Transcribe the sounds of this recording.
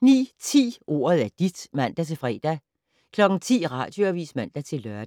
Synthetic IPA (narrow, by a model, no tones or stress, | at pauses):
nḭːt͡sʰḭːʔo̝̰ːɐð̩ˠæd̥id̥mæn̰d̥æt͡sʰe̝fʁɛ̰ːd̥æ | kʰlɒ̽ɡ̥n̩t͡sʰḭːʁɑ̰̈ːd̥joæʋḭːsmæn̰d̥æt͡sʰe̝lːœɐd̥